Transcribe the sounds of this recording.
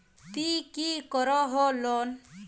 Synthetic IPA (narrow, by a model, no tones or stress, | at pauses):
t̪ikikɔɾɔɦɔlɔn